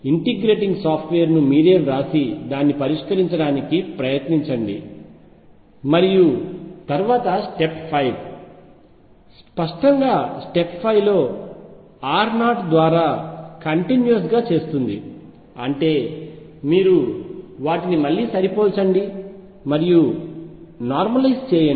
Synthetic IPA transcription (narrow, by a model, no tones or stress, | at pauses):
iɳʈiɡɾe̞ːʈiŋɡsaːpʰʈʋe̞ːɾnumiːɾe̞ːɾaːsid̪aːnːipɐɾiʂkɐɾiɲt͡ʃɐɽaːnikipɾɐjɐt̪niɲt͡ʃɐɳɖḭ | mɐɾijut̪ɐɾʋaːt̪ɐsʈe̞ppʰɐjb | spɐʂʈɐŋɡaːsʈe̞ppʰɐjʋlo̞ː | aːɾnaːʈd̪ʋaːɾaːkɐɳʈinjuɐs̬ɡaːt͡ʃe̞ːst̪und̪i | ɐɳʈe̞ː | miːɾuʋaːʈinimɐlːiːsɐɾipoːlt͡ʃɐɳɖi | mɐɾiju | naːɾmɐlɐjst͡ʃɛːjɐ